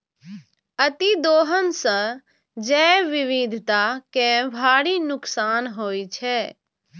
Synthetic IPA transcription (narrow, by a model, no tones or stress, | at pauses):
ət̪id̪oːɦənsə̃ | d͡ʒɛʋiʋid̪ʱt̪akebʱaːɽinʊksaːnɦoːjt͡ʃʰɛ